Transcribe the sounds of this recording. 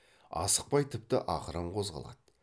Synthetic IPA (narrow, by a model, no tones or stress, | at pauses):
ɑ̰sə̥q̚pɑjt̪ʰɪp̚t̪ɪ̰ʔɑqəɾəmqʰo̞zʁɑ̰lˠɑ̰d̪̥